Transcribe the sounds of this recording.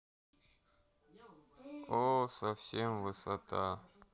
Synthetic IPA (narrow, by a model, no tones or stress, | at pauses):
osɐfsʲemvɨsɐt̪a